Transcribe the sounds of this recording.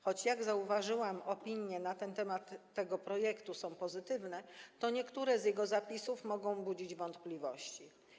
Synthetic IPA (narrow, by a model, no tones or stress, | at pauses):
xɔt͡ɕjaɡzauvaʐɘwamɔpʲiɲjɛnat̪ɛnt̪ɛmat̪ːɛɡɔpɾɔjɛkt̪usɔ̃w̃pɔzɘt̪ɘvnɛt̪ɔɲɛkt̪uɾɛzjɛɡɔzapʲisufmɔɡɔ̃w̃bud͡ʑid͡ʑvɔnt̪plʲivɔɕt͡ɕi